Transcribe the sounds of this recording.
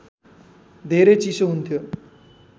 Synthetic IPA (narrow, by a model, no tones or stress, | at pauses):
d̪ʱeɾet͡sisoɦunt̪ʰjo